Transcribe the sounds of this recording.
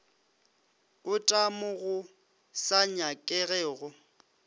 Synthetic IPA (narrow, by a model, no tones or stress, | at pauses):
ʊtʼamʊɣʊ | saɲakʼɛɣɛːɣʊ